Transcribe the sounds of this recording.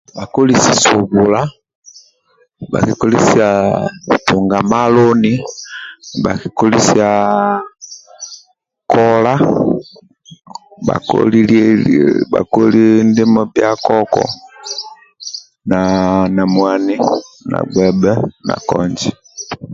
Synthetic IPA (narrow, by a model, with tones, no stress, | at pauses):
ba˨ku˦li˨si˨su˨βu˨la˦ | ba̰˨ki˨ku˦li˦si˦a˨tu˨ŋɡa˨ma˦lɔ˦ni˦ | ba˨ki˨ku˦li˦si˦a˨ | kɔ˦la˦ | ba̰˨kɔ̰lil | ba̰˨ku˦li˦ndi˦mɔ˦bja˦kɔ˦kɔ̰˨ | na˨na˨mwa˨ni˦na̰˨ɡ͡bwɛ˨bɛ˦na̰˨kɔ˨ɲd͡ʒi˨